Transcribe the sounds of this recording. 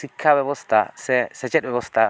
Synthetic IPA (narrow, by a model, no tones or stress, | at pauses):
sɪkʰːabɛbɔst̪ɐsɛsɛt͡ʃɛɗbɛbɔst̪ɐ